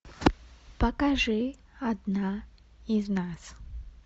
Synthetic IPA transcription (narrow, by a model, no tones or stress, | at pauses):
pɐkaʐɨ | ad̪na | iznas